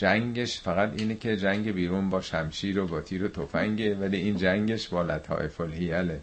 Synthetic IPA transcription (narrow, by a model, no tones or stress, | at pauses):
d͡ʒæŋɡeʃfæɣæt̪iːnecʰe̞d͡ʒæŋɟebiːɾuːnbɒːʃæmʃiːɾobɒːt̪ʰiːɾot̪ʰofæŋɟe̞væliʔiːnd͡ʒæŋɟeʃbɒːlæt̪ʰhɒ̰ːʔefolhijæle